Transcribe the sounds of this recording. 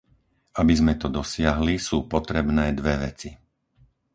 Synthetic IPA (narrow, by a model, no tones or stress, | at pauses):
abizmɛt̪ɔd̪ɔsɪaɦlisuːpɔt̪ɾɛbnɛːd̪ʋɛʋɛ̰t͡si